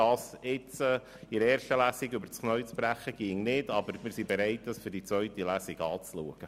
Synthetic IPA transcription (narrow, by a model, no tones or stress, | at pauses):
ɑːsɪt͡sə | iɾɛːɾrʃtəlæːsiɡʏbəɾt͡sknœʏt͡spɾæχəɡ̥iːŋnɪdɑbəɾmɪɾsibeɾɛɪt̚dɑsfʏɾdit͡sʋœɥtilæsiɡɑːt͡slṵəɡ̥ə